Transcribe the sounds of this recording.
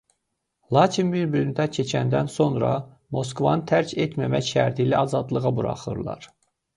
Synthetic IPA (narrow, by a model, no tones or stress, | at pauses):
lˠɑːcʰinbiɾbylynd̪æcʰet͡ʃʰænd̪ænso̞nɾɑ̰ | mo̞s̬kvɑnɯt̪ʰæɾcʰet̪ʰmæmæçʃæ̰ɾt̪ʰijlæɑzɑd̪lˠɯɣɑbuɾɑ̰χɯɾlˠɑ̰ɾ